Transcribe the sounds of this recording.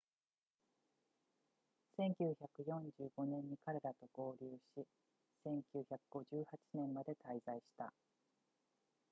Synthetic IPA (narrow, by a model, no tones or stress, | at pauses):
sẽ̞ŋkʲɨːçakɯ̟jõ̞ɲd͡ʑɨːɡo̞nẽ̞ɲ̟ːikaɾe̞ɾat̪o̞ɡ̥o̞ːɾʲɨːɕi | sẽ̞ŋkʲɨːçakɯ̟ɡo̞ʑɨːhat͡ɕi̥nẽ̞mmad̪e̞t̪aizaiɕi̥t̪a̰